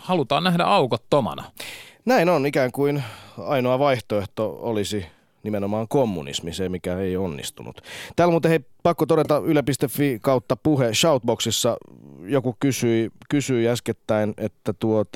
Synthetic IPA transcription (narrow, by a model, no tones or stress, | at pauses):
hɑlut̪ɑ̰ːnæhdæ̰ɑukot̪ːomɑ̰nɑ̰næinonikæːŋkuinɑinoɑʋɑiht̪oeht̪oo̰lisi | nimenomɑːŋkomːṵnḭsmisemikæeionːḭst̪ṵnṵt̪t̪æːlmuːt̪eheipɑkːot̪oɾet̪ɑylæpist̪efːikɑut̪ːɑpuheʃɑut̪̚boksisːɑjokukysyikysyiæsket̪ːæinet̪ːæt̪uot̪ɑ